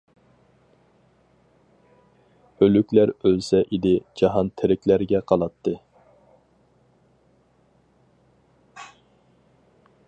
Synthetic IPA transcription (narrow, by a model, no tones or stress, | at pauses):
ølykʲlæɾølsɛʔid̪ɪd͡ʒɑɦɑnt̪ʰɪɾɪkʲlæɾɡʲɛqʰɑlˠɑt̪ʰːɨ